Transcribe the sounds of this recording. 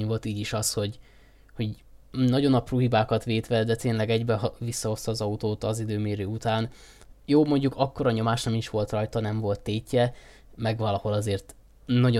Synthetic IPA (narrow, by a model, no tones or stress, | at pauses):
ɲvo̞lt̪iːɟiʃɒsho̞ɟ | ho̞ɟ | nɒɟo̞nɒpruːɦibaːkɒt̪ʋeːt̪ʋɛd̪ɛt̪eːnlɛɡɛɟbɛɦvisːɒɦo̞st̪ɒːzɒut̪oːt̪ɒzid̪øːmeːɾøːut̪aːn | joːmo̞ɲɟukɒkːo̞ɾɒɲo̞maːʃnɒmiʃʋo̞lt̪rɒjt̪ɒnɛɱvo̞lt̪ːeːcːɛ | mɛɡʋɒlɒho̞lɒzeːrt̪ | nɒɟo